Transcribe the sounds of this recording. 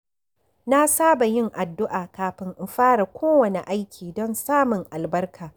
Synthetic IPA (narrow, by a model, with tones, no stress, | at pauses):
na˦saː˦ba˨jɪ˦ŋʔa˨dːʊ˦ʔaː˨kaː˨ɸɪ˦ŋʔɪ˨mɸaː˦ɽa˨kʷoː˦wɐ˨ne˨ʔa˦jkʲʰiː˨dɔ˦nsaː˦mʊ˨ŋʔa˨lbɐ˦rkʰaː˨